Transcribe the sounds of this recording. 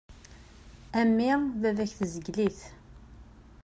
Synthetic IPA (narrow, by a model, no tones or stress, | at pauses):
æmːɪðæðæçθəzəɡliθ